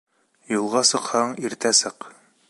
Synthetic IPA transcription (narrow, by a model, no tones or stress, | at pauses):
julˠʁɑsɤ̆qhɑɴiɾt̪æsɤq